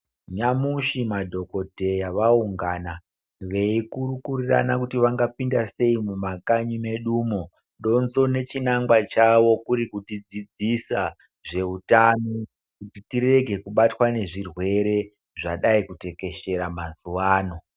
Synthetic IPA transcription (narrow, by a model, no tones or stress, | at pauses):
ɲamuʃimadʱo̞ko̞te̞jaʋauŋɡana | ʋe̞ikuɾukurira̰nakutiʋaŋɡapindase̞imumakaɲime̞ɗuːmo | ɗo̞nzo̞ne̞t͡ʃinaŋɡwat͡ʃaʋo̞kuɾikutid͡zid͡zisa | ʐe̞utano | kutitire̞ɡʱe̞kuɓatwane̞ʐirwe̞ɾe̞ | ʐaɗaikute̞ke̞ʃe̞ɾamazuʋaːno̞